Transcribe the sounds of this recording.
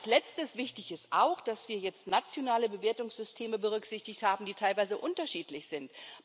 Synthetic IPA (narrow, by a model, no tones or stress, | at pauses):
slɛt͡stəsv̥ɪçtɪçɪstʔaʊxd̥asv̥iːɐjɛt͡stnat͡sjonaːləbəveːɐtʊŋsz̥ʏstʰeːməbəʁ̞ʏkz̥ɪçtɪçthaːbm̩diːtʰaɪlvaɪzəʔʊntɐʃiːtlɪçz̥ɪnt